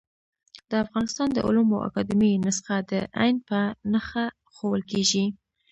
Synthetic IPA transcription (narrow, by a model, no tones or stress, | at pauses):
d̪̥əafɣɑnɪst̪ɑnd̪ə̰ʔʊ̰luma̰wʔa̰kɑd̪ɪminɪsxad̪əʔajnpənaxa | xowəlkeʒi